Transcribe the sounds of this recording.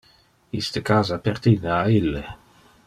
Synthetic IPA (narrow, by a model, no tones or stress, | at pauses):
ist̪əkaːzapert̪ineailːe